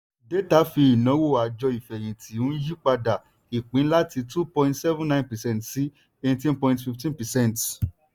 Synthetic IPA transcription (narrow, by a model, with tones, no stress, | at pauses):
de˦ta˨˦fi˧i˨nɔ̃˨˦wo˦˨a˨d͡ʒɔ˧i˨fɛ˨j̃ĩ˨tʰi˨˦ũ˦n̩˦ji˦k͡pa˧da˨ | i˨k͡pĩ˨˦la˦ti˧tu˦pɔ̃˧ĩntsɛ˦vũ˦nã˦˨npɛ˨sɛ̃˦ntsi˦ | e˧tĩ˦npɔ̃˧ĩ˧tfi˧ftĩ˦npɛ˨sɛ̃˦˨nt